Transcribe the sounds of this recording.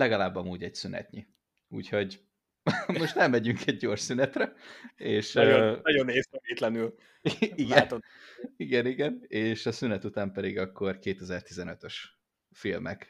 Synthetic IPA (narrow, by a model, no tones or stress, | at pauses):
lɛɡɒlaːbːɒmuːɟɛɟsynɛ̰t̪ɲi | ṵːcho̞ɟ | mo̞ʃt̪nɛmːɛɟyŋkʰɛɟɟo̞ːrʃsynɛt̪rɛeːʃoɒɟoneːst̪ɛmeːt̪lɛnyl | iɡɛt̪oiɡɛniɡɛneːʃɒsynɛt̪ut̪aːmpɛd̪iɡɒkːo̞rkeːt̪ɛzɛrt̪izɛnøt̪øʃ | filmɛ̰k